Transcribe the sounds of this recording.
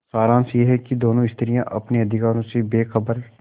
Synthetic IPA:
saːɾãːnsjeɦɛkid̪oːnõɪst̪ʰəɾijãʔɐpneɐd̪ʱɪkaːɾõsebeːxɐbəɾ

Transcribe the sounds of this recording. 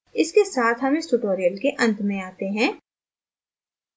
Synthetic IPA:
ɪskesaːt̪ʰɦɐmesʈuʈoːɾijəlkeʔɐ̃nt̪mẽaːt̪eɦɛ̃ː

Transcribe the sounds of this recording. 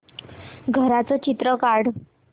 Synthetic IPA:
ɡʱəɾat͡sɔt͡ɕit̪ɾəkaɽ

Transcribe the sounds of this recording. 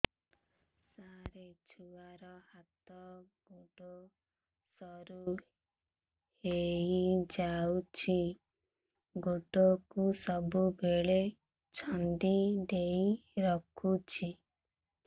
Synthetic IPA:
saɾet͡ʃʰuaɾɔhat̪ɔɡ̥oɖo | sɔɾu | heid͡ʒaut͡ʃʰi | ɡoɖɔkusɔbubʱeɭe | t͡ʃʰɔnd̪id̪eiɾɔkʰut͡ʃʰi

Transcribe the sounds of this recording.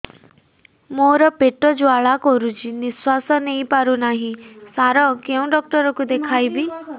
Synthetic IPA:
moɾɔpeʈɔd͡ʒuaɭakɔɾut͡ʃʰiniswasɔnejpaɾunaɦĩsaɾɔkeũɖɔk̚ʈɔɾɔkud̪ekʰajbi

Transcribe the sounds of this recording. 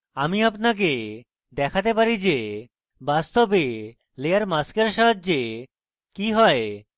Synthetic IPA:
amiapnak̬e | d̪ɛkʰat̪epaɾid͡ʑe | bast̪obe | lejaɾmaskeɾʃadd͡ʑe | kiɦɔe

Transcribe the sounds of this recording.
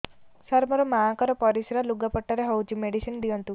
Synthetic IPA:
saɾmɔɾɔmaakɔɾɔpɔɾisɾaluɡapɔʈːaɾeɦɔut͡ʃimeɽisind̪iɔnt̪u

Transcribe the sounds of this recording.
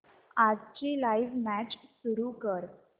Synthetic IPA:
ad͡zt͡ɕiːlaiʋmæt͡ɕsuɾukəɾ

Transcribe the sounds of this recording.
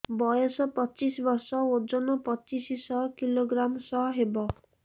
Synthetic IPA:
bɔjɔsɔpɔt͡ʃisɔbɔɾsɔod͡ʒɔnɔpɔt͡ʃisisɔkiloɡɾamsɔɦɦebɔ

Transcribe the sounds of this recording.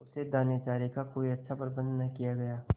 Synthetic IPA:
ʊsed̪aːneːt͡ʃaːɾikakoːiɐtːʃʰapɾɐbə̃nd̪nɐkijaɡɐjaː

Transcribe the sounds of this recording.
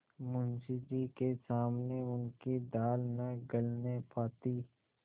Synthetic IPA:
mʊnsid͡ʒikesaːmneʊnkid̪aːlnaɡəlnepʰaːt̪i

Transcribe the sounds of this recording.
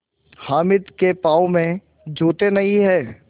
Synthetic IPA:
haːmɪd̪kepaːomẽ | d͡ʒoːt̪enɐiɦɛː

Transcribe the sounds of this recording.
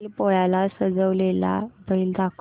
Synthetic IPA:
ipɔjalasəd͡zəʋlela̰bʱəild̪ak

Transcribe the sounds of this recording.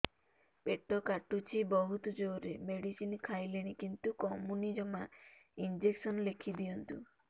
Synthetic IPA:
peʈɔkaʈut͡ʃʰibɔɦut̪ɔd͡ʒoɾemeɽisinkʰajleɽ̃ikint̪ukɔmunid͡ʒɔmaind͡ʒeksɔnlekʰid̪iɔnt̪ṵ

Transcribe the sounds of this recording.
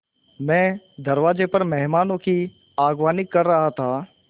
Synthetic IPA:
mɛ̃ː | d̪ɐɾʋaːd͡ʒepɐɾmɛɦmaːnõki | aːɡʋaːnɪkːɐɾːɐɦat̪ʰaː

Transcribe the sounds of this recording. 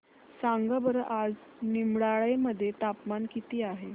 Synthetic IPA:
saŋɡəbəɾʔad͡znimɽaɭeməd̪ʱːjet̪apmankit̪iːaɦe

